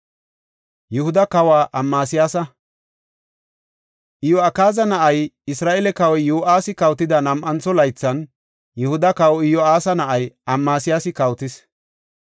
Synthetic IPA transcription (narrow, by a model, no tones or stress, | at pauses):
jɛhʊd̪ɐkɐwaːʔɐmːaːsɪjaːsɐ | ʔɪjɔɐkaːzɐnɐʔɐjɪsɾaːʔɛlɛkɐwɔjuːʔaːsɪkɐwt̪ɪd̪ɐnɐmʔɐnt͡sɔlɐjt͡sːɐn | jɛhʊd̪ɐkɐwɔɪjɔaːsɐnɐʔɐjɐmːaːsɪjaːsɪkɐwt̪ɪs